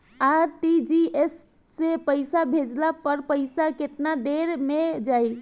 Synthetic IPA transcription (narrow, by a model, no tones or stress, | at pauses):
aʈid͡ʒies | sepəɪsabʱed͡ʒlapəɾpəɪsaket̪nad̪eɾmed͡ʒaj